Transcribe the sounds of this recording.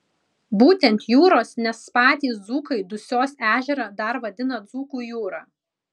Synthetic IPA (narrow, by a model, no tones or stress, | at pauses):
buːt̪ʲɛnt̪ʲjuːɾoːsnʲɛspɑːt̪ʲiːsd̪zuːkɐɪd̪ʊsʲoːsæːʒʲɛɾɑːd̪ɐɾʋɐd̪ʲɪnɐd̪zuːkuːjuːɾɑː